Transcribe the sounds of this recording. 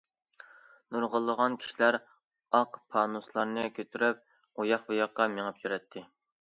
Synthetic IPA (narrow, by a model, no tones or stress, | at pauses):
nuɾʁəlˠːəʁɑnkʲʰi̥ʃilæɾ | ɑqpʰɑːnuslˠɑɾnɨkʲʰøt̪ʰyɾyp̚ | ojɑχbujɑqːɑmeŋɨpjyɾɛt̪ʰːɪ